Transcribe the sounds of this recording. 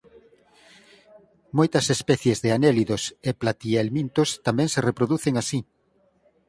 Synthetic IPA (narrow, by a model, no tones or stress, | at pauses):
mojt̪ɐsespɛθjezðeaneliðoseplat̪ielmint̪ost̪amɛ̃ŋserepɾoðuθeŋasi